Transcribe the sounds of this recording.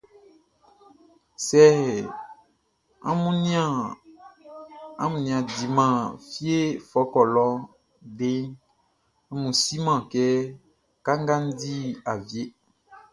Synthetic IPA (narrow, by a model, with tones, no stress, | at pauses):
sɛ˦˨ | a̰˦mũ˦ni˦ã˨ | a˦mũ˨nĩ˨ã˨di˨mã˨fi˦e˦fɔ˨˦kɔ˨lɔ˦ | de˦ŋ | a˦mũ˨si˦mã˨kɛ˦ | ka˦ŋɡa˦n̩˦di˦a˨vje˦